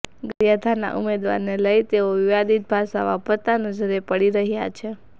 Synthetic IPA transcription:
ɡəɾjad̪ʱana̰ʔumed̪ʋa̰ɾneləjt̪eoʋɪʋad̪it̪̚bʱaʃaʋapət̪anəd͡ʒəɾepəɽiɾəɦja̰t͡ʃʰe

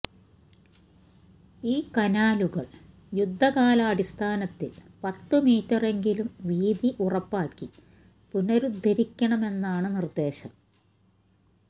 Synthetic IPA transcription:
iːkɐnaːluɣɐɭ | jud̪ʱːɐkaːlɐːɽist̪ʰaːnɐt̪ːil | pɐt̪ːɨmiːtːɐre̞ŋɡilumʋiːd̪iʔurɐpːaːkːi | punɐɾud̪ʱːɐɾikʲːɐɳɐme̞nːaːɳɨnird̪e̞ːɕɐm

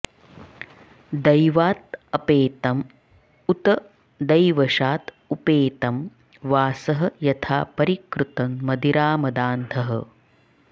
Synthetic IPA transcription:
d̪ɐjʋaːt̪ɐpeːt̪ɐm | ut̪ɐ | d̪ɐjʋɐʃaːt̪ | upeːt̪ɐm | ʋaːsɐɦɐ̆jɐt̪ʰaːpɐɾikɾut̪ɐnmɐd̪iɾaːmɐd̪aːnd̪ʰʱɐɦɐ̰

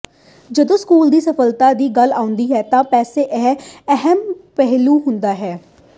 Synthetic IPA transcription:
d͡ʒəd̪õːskuːld̪iːsəfəlt̪aːd̪iːɡəlaːʊ̃nd̪iːɦɛːt̪ãːpɛːseːʔɛɦɛɦɛmpɛɦluːɦʊnd̪aːɦɛː

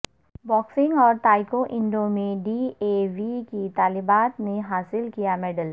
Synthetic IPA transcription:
bɔːksɪ̃ŋɡɔːɾt̪aːɪkoʔɪ̃ɳɖõmẽɖiːeːʋikit̪aːlɪbaːt̪neɦaːsɪlkijamɛːɖəl

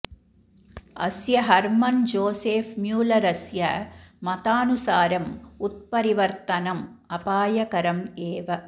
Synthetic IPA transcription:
ɐ̰sjɐɦɐɾmɐnd͡ʒoːseːfmjuːlɐɾɐsjɐmɐt̪aːnusaːɾɐmut̪̚pɐɾiʋɐɾt̪ɐnɐmɐpaːjɐkɐɾɐmeːʋɐ

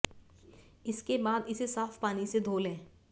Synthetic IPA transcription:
ɪskebaːd̪ɪsesaːfpaːnised̪ʱoːlɦɛ̃ː

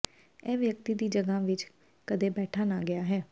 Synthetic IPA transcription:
ɛːʋjək̚t̪iːd̪iːd͡ʒəɡãːʋɪt͡ʃ | kəd̪eːbɛːʈʰaːnaːɡɪaːɦɛː

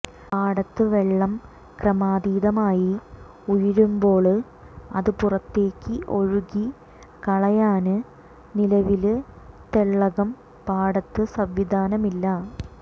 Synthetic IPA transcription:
paːɽɐt̪ːɨʋe̞ɭːɐm | krɐmaːðiːðɐmaːji | ujɐɾumbo̞ːɭ | ɐ̰ðɨpurɐt̪ːe̞ːkʲːɨʔo̞ɻuɣi | kɐɭɐjaːnɨ | nilɐʋilt̪eɭːɐɣɐm | paːɽɐt̪ːɨsɐʋʋid̪ʱaːnɐmilːɐ

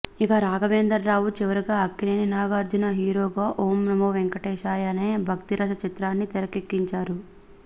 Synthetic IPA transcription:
ikɐɾaːɡɐʋeːnd̪ɐɾːaːwut͡ʃiʋɐɾuɡaːɐkːineːninaːɡaːɾd͡ʒunɐɦiːɾoːɡaːʔoːmnɐmoʋeŋkɐʈeːʃaːjɐneːbʱɐkt̪iɾɐsɐt͡ʃit̪ɾaːnːit̪ɛɾɐkekːiɲt͡ʃaːɾu

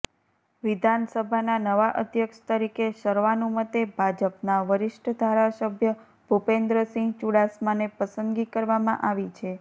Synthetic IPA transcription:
ʋid̪ʱansəbʱananəʋaʔəd̪ʱjəkʃt̪əɾikeʃəɾʋanũmət̪ebʱad͡ʒəpnaʋəɾɪʃʈʰəd̪ʱaɾasəbʱjə | b̥ʱupend̪ɾəsĩŋɡt͡ʃuɽasmanepəsənd̪ɡikəɾʋamã̰ʔaʋit͡ʃʰe

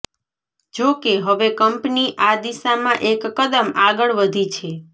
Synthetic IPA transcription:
d͡ʒokeɦəʋekəmpniʔad̪isamãʔekːəd̪əmaɡəɭʋəd̪ʱit͡ʃʰe

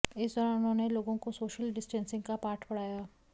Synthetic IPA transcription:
ɪsd̪ɔːɾaʊnɦõːneloːɡõkosoːʃəlɖɪsʈɛ̃ːnsɪ̃ŋɡkapaːɾʈpɐɽ̤aːjaː

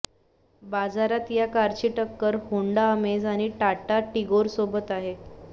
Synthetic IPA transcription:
bad͡zaɾat̪jakaɾt͡ɕiʈəkːəɾhoɳɖaəmed͡zaɽ̃iʈaʈaʈiɡoɾsobət̪aɦe

